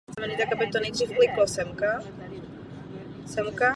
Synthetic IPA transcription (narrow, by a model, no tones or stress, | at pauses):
mɛɲit̪akabɪt̪onɛjd̪riːfklɪklosɛmka | sɛmka